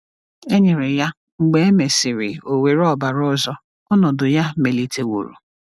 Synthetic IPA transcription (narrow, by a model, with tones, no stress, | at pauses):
e˦ɲɪ˨ɾɪ˨ja˦ | ŋ͡m̩˨ɡ͡be˦e˦me˨sɪ˨ɾɪ̰˨o˨we˨ɾɔ˦˨ba˨ɾɔ˦ɔ˦˨zɔ˦ | ɔ˦nɔ˨dʊ˨ja˦me˨li˨tʰe˨wo̰˨ɾṵ˨